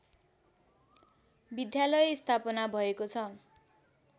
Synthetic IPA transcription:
bid̪jalʌjist̪ʰapʌnabʱʌekot͡sʰʌ

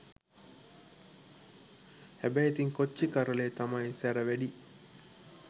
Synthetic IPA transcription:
hæbæjet̪iŋkot͡ʃːikaɾəleːt̪amajisæɾəʋæɖi

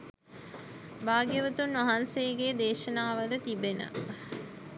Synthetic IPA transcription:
baːɡjəʋət̪unʋɐɦansejɡeːd̪eːʃənaːʋəd̪ət̪ibenə̰

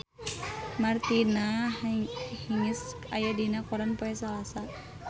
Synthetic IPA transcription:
mart̪ina | hiŋis | ajadinakɔɾanpɔɛsalasa

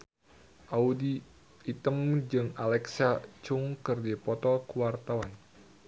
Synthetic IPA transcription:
ʔaudiː | t̪əmd͡ʒɨŋalɛksat͡ʃʊŋkɨrdipɔt̪ɔkuwart̪awan

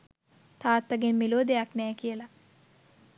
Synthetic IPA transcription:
t̪ʰaːt̪ːɐɡenmiloːd̪ejaknɛːkijɐlɐ

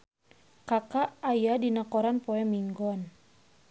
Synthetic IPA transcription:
kakaʔːjadinakɔɾanpɔɛmiŋɡɔn

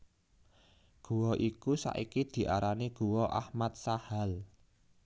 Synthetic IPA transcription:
ɡ̥ṳwɔʔikusa̰ʔikid̪̥i̤ʔaɾaniɡ̥uwɔʔa̰hmat̪̚sahal

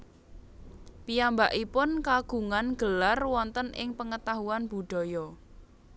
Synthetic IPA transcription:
pijambaʔipʊnkaɡ̥ṳŋanɡ̥əlarwɔnt̪ənʔɪ̰ŋpəŋət̪aɦuanb̥ṳɖ̥ɔ̤jɔ

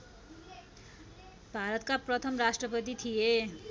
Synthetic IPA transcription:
bʱaɾʌt̪kaprʌt̪ʰʌmrasʈrʌpʌt̪̬it̪ʰije

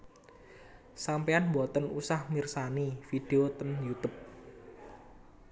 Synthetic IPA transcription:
sampeanmbɔt̪ənusahmirsanifid̥eot̪ənjut̪up̚

